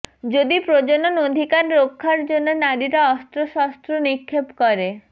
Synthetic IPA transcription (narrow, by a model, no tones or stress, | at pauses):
d͡ʒod̪ipɾod͡ʒononod̪ʱikaɾɾokʰːaɾd͡ʒonːonaɾiɾaɔst̪ɾoʃast̪ɾonikʰːepkɔɾe